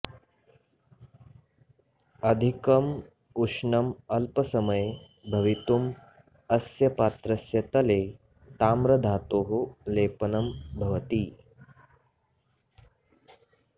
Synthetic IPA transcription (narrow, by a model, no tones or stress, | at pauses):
ɐd̪ʱikɐm | uʂnɐmɐlpɐsɐmɐj | bʱɐʋit̪um | ɐsjɐpaːt̪ɾɐsjɐt̪ɐleː | t̪aːmɾɐd̪ʱaːt̪oːɦoleːpɐnɐmbʱɐʋɐt̪iː